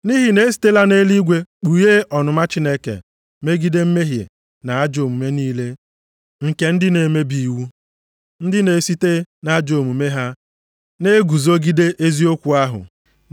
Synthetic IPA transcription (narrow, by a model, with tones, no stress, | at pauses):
ni˦ɦi˨ne˨˦s̬i̥˦te˦la˦ne˦li˦ɡʷe˦k͡pu˨je˦ʔɔ˨nʊ˨ma˦t͡ʃɪ˦ne˦kḛ˨ | me˦ɡi˦de˦m̩˦me˦ɦjḛ˨ | na˨a˦d͡ʒo˨mu˨me˦niː˦le˦ | ŋ̩˨ke˨˦n̩˦dɪ˦ne˨me˦bi˨wu˦ | n̩˦dɪ˦ne˨˦si˦te˦na˦a˦d͡ʒo˨mu˨me˦ɦa˦ | ne˦ɡu˨zo˦ɡi˦de˦ʔe˦zi˦o˦kʷu˨a˦ɦʊ̰˨